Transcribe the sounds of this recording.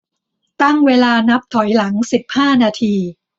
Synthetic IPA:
t̪a˥˩ŋweː˧laː˧na˦˥p̚t̪ʰɔ˩˦jla˩˦ŋsi˨˩p̚haː˥˩naː˧t̪ʰiː˧

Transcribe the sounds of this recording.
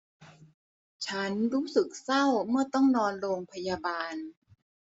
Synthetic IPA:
t͡ɕʰa˦˥nɾuː˦˥sɯ˨˩k̚sa˥˩wmɯ˥˩ɐt̪ɔ˥˩ŋnɔː˧nɾoː˧ŋpʰa˧ja˧baː˧n

